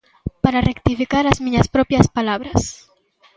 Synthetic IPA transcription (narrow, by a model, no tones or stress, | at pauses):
paɾarek̚t̪ifikaɾazmĩɲaspɾopjaspalaβɾas